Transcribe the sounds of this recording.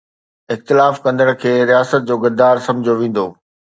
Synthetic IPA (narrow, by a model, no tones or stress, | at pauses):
ɪxt̪ɪlaːfkɐ̃nd̪əɽ̃kʰeːɾijaːsət̪̚d͡ʑoːɡɐd̪aːɾsɐ̃md͡ʑʱoʋẽːn̆d̪oː